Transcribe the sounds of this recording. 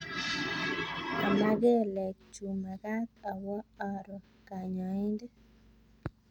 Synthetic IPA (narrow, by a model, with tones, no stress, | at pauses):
a˨ma˦ɡe˦˨lɛ˨k̚t͡ʃu˨ma˨ka˦t̪a˨wɔ˦ɔ˨ɾɔ˨ | ka˨ɲɔ˨ɪ˦nde˦